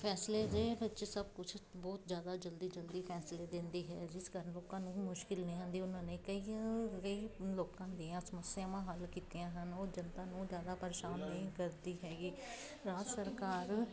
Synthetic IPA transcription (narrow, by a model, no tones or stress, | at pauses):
pʰɛːsleːd̪eːbətːʃsəb̚kʊt͡ʃʰbɔːt̪zjaːd̪aːd͡ʒəld̪iːd͡ʒəld̪iːpʰɛːsleːd̪ɪ̃nd̪iːɦɛ̰ːd͡ʒɪskəɾənloːkãːnũːmʊʃkɪlnəɦĩãːnd̪iːʊnãːnẽːkəiːkəiːloːkãːd̪eːãːsəməsjãːmãːɦəlkiːt̪eãːɦənoːd͡ʒənt̪ãːnũːzjaːd̪aːpəɾeːʃaːnːəĩːkəɾd̪iːɦɛːɡiː | ɾaːd͡ʒəsəɾkaːɾ